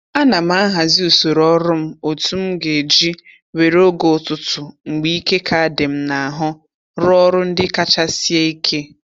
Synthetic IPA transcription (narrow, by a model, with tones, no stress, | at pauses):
a˦na˨m˦a˦a˦ɦa˨zi˦u˨so˨ɾɔ˦ɾʊ˦m̩˦o˨tu˦m̩˦ɡe˨d͡ʒi˦ | we˨ɾo˦ɡo˨tʊ˨tʊ˨ŋ͡m̩˨ɡ͡bi˦i˦ke˦kʰa˨a˨de˨m̩˦na˨a˨ɦʊ˦ | ɾɔ˦ɾʊ˦n̩˦dɪ˦ka˦t͡ʃa˦si˦e˦i˦kʰe˦